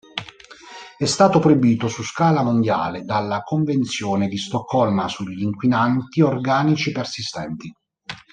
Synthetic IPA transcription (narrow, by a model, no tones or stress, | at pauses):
ɛst̪aːt̪opɾojbiːt̪osuskaːlamond̪ja̰ːled̪alːakoɱvent̪sjɔːned̪ist̪ɔkʰːɔlmasuʎːiŋkwinant̪iorɡaːnit͡ʃipersist̪ɛnt̪i